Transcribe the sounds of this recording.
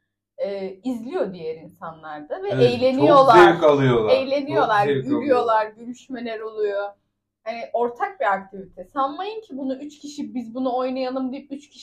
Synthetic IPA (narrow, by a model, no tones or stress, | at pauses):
ɛːizlʲijo̞d̪ijeɾinsanlˠaɾd̪avɛejlʲe̞nijo̞lˠaɾkalˠɯjolˠejlʲe̞nijo̞lˠaɾyɾyjo̞lˠaɾɟømyʃme̞lʲɛɾo̞lˠujo | haniʔo̞ɾt̪ʰak̚biak̚t̪ʰivit̪ʰɛsanmajɯncʰibunuyt͡ʃcʰʲiʃibizbunuo̞jnajanˠɯmd̪ijp̚yt͡ʃcʰʲi̥ʃ